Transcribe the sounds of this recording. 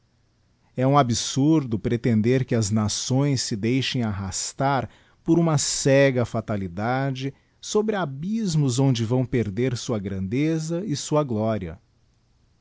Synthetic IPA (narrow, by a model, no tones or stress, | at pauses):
ɛũabisuɾd̪ʊpɾet̪ẽnd̪eɾkɪɐznasõj̃sːɪd̪ejʃẽj̃aɦast̪aɾ | poɾũmɐsɛɡɐfat̪alid̪ad͡ʒɪ | sobɾɪabizmʊzõnd͡ʒɪvɐ̃w̃peɾd̪eɾsuɐɡɾɐ̃nd̪ezɐɪsuɐɡlɔɾiɐ̰